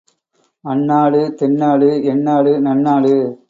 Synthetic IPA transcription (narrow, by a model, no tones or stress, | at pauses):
ɐɳːaːɭɯt̪ɛɳːaːɭɯɛɳːaːɭɯnɐɳːaːɭɯ